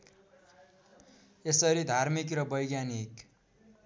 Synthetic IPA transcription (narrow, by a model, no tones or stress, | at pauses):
esʌɾid̪ʱarmik̬rʌbʌjɡjanik